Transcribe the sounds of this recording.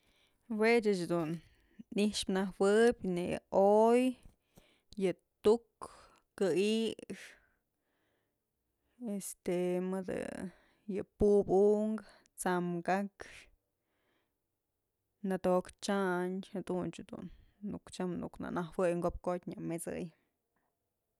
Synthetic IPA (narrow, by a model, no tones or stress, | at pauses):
wet͡ʃɨt͡ʃad̪un | iʂpnahwɨbʲnḛoj | jɨ | t̪ukː | ɨiʂ | est̪emɨd̪ɨ̰ | jɨpubuʔŋɡ | t͡samɡakʂ | nat̪okt͡ʃaɲhad̪unt͡ʃad̪ṵnːṵkt͡ʃamnṵkna̰nahwɨjŋɡop̚kot̪ʲɲamet͡sɨ̰j